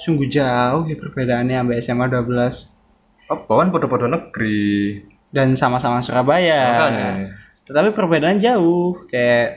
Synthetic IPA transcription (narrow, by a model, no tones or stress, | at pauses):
suŋɡud͡ʒaʊhjapərbedaːnaambeɛsɛmaduabəlas | ɔpawanpot̪ɔpot̪onəɡɾi | dansamasamasuɾabaja | t̪ət̪apipərbedaːnd͡ʒaʊhkajaʔ